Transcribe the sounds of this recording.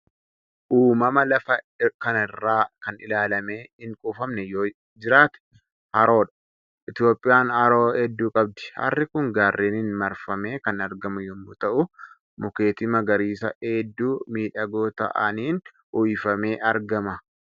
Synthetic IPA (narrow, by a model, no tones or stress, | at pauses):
ʔuːmɐmɐlɐfɐ | kɐnɪrːaːkɐnɪlaːlɐme̞ːɪŋkʼuːfɐmnɛjoː | d͡ʒɪɾaːt̪ɛ̥ | hɐɾo̞ːᶑɐ̥ | ʔɪt̪jo̞ːpʼːɪjaːnɐɾo̞ːhɛd̪ːuːkʼɐb̚d̪ɛ̥hɐ̰rːɪkʊŋɡaːrːʔiːnɪnmɐɾfɐme̞ːkɐnɐɾɡɐmʊjɔmːʊt̪ɐʔʊ | mʊke̞ːt̪ɪmɐɡɐɾiːsɐ̰eːd̪ːuːmiːᶑɐɡoːt̪ɐ̰ʔɐ̰niːn | ʊɪfɐme̞ːʔɐɾɡɐmɐ